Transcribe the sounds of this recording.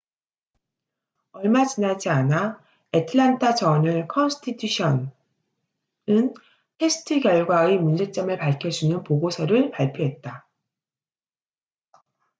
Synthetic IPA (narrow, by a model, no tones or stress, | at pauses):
ʌɭmat͡ɕinad͡ʑiana | etʰɯɭantʰat͡ɕʌnɯɭkʰʌnsʰɯ̥tʰitʰuɕʰʌn | ɯn | pʰe̞sʰɯ̥tʰɯkjʌɭɡwaemund͡ʑe̞t͡ɕ͈ʌmɯɭpaɭkʰjʌd͡ʑunɯnpoɡosʰʌɾɯɭpaɭpʰjoɦe̞t̚t͈a